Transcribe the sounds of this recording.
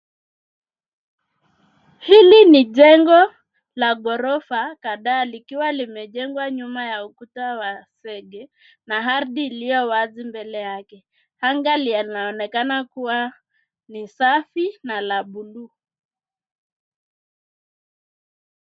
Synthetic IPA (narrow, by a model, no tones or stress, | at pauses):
hiliniʄɛŋɡɔ | laɡɔɾɔfakaɗaːlikiwalimɛʄɛŋɡwaɲumajaukutawasɛɡɛ | naɦaɾɗiːlijɔwazimbɛlɛjakɛ | haŋɡalialinaɔnɛkanakuwa | nisafinalaɓulu